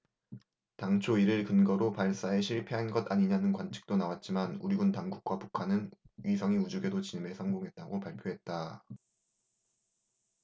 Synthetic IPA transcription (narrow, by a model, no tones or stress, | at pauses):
taŋt͡ɕʰoiɾɯɭkɯnɡʌɾopaɭs͈ae̞ɕʰiɭpʰe̞ɦanɡʌtaɲiɲanɯnkwant͡ɕʰɯ̥k̚t͈onawat̚t͡ɕ͈imanṵɾiɡuntaŋɡuk̚k͈wapukʰanɯnɥisʰʌŋiud͡ʑuɡe̞dot͡ɕinɯmesʰʌŋɡoŋɦe̞t̚t͈aɡopaɭpʰjoɦe̞t̚t͈a